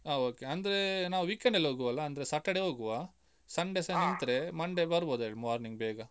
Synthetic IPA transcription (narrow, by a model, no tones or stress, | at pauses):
aːoːkeɐnd̪ɐɾenaːʋuʋikːeɳɖɐlɦoːɡuʋɐlːɐːnd̪ɐɾesɐʈːɐɽeɦoːɡuʋa | sɐɳɖesɐnɐnt̪ɾe̞mɐɳɖebɐɾboːd̪ueːɭimaːɾniŋɡbɛːɡɐ